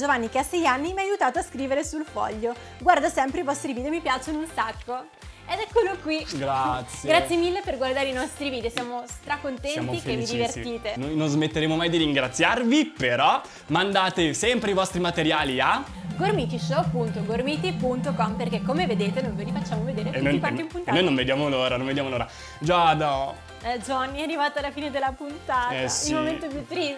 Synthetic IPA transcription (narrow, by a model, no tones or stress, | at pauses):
d͡ʒovanːik̟easːɛjanːimiajut̪aːt̪oaskɾiːveɾesulfɔ̰ʎːo | ɡward̪asɛmpɾeivɔst̪ɾiviːd̪eomipjat͡ʃonunsakːo | ɛd̪ɛkːolokwiɡɾat̪sːjɡɾat̪sjemilːeperɡward̪aːɾeinɔst̪ɾiviːd̪eosjaːmost̪ɾakont̪ɛnjamikevːid̪ivert̪iːt̪enojnonzmet̪ːeɾeːmomajd̪iɾiŋɡɾat̪sːjarvipeɾɔ | mand̪aːt̪esɛmpɾeivɔst̪ɾimat̪eɾjaːlia | ɡormit̪iʃopunt̪oɡormiːt̪ipunt̪okɔmperkekːomeved̪eːt̪enõnveɾifat͡ʃːaːmoved̪eːɾenokaeimpunt̪ːnojnõnved̪jaːmoloːɾanõnved̪jamoloːɾa | d͡ʒɔd̪ɔ | ɛd͡ʒɔnːiarivaːt̪oalːafiːned̪elːapunt̪aːt̪ailmoment̪op̬jut̪ːɾi